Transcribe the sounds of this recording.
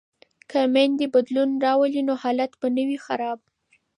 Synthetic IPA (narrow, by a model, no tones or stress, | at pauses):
kamand̪əbad̪lunɾɑwəlinohɑlat̪banəwixaɾɑb̚